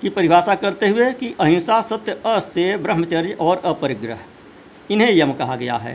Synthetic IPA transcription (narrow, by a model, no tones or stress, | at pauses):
kipəɾɪʋaːsakɐɾt̪eɦʊekiʔəɦĩːsasət̪jəəst̪ebɾəɦmət͡ʃəɾjɔːɾəpəɾɪɡɾəɦ | ɪnɦẽjɐmkɐɦaɡɐja̰ɦɛ̰ː